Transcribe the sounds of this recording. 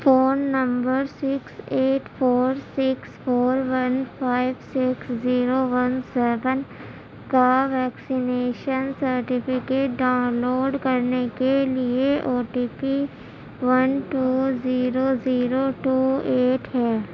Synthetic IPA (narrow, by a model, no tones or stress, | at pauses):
foːnːə̃mbəɾsɪkseːʈfʰoːɾsɪksfʰoːɾʋɐnpʰaːɪʋsɪksziːɾoʋənsɛːʋən | kaʋɛːksɪneːʃənsəɾʈɪfɪkeːʈ̚ɖaʊnloːɖkɐɾnekelieʔoːʈiːpi | ʋənʈuːziːɾoziːɾoʈuːeːʈɦɛː